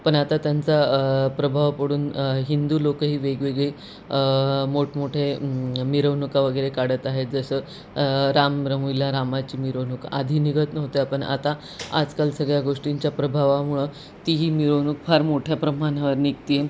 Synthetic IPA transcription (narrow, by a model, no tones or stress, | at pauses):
pəɳat̪at̪jant͡sapɾəbʱaʋpəɽuːnɦind̪uːlokəɦiːʋeɡʋeɡɭi | moʈmoʈʰemiɾəʋnukaʋəɡəɾekaɽət̪aɦet̪̚d͡zəsəː | ɾamɾəɦʋilaɾamat͡ɕiːmiɾəʋnuka̰d̪ʱiːniɡət̪nəʋt̪eapəɳa̰t̪a | a̰d͡zkalsəɡɭjaɡoʂʈiɲt͡ɕjapɾəbʱaʋamuɭə | t̪iɦiːmiɾonukfʰaɾmoʈʰjapɾəmanaʋəɾnik̚t̪ie